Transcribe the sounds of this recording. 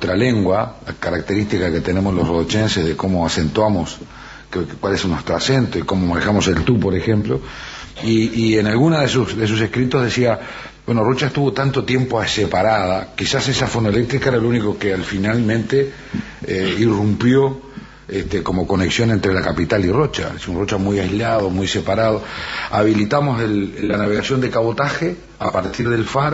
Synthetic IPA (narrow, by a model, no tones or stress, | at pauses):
t̪ɾaleŋɡwakaɾak̚t̪e̞ɾist̪ikake̞t̪e̞ne̞moslosroðot͡ʃensezðekomo̞ase̞nt̪wamos | kwalesnweht̪ɾoase̞nt̪oikomomanexamo̞se̞lt̪upo̞ɾe̞xemplo̞ | iːenalɣunaðesusðes̬us̬e̞hkɾit̪oðe̞sia | bwe̞norot͡ʃaest̪uβo̞t̪ant̪o̞t̪je̞mpoasepaɾaðakisasesafonoele̞k̚t̪ɾikaeɾalounikokealfinalmẽnt̪e | eirumpjo̞ | eht̪eko̞mo̞ko̞neksjo̞nent̪ɾelakapit̪aliro̞t͡ʃa̰esunro̞t͡ʃamujajzlaðomujse̞paɾaðoaβilit̪amo̞selːanaβe̞ɣasjo̞nd̪ekaβo̞t̪axe | a̰paɾt̪iɾðe̞lfaɾ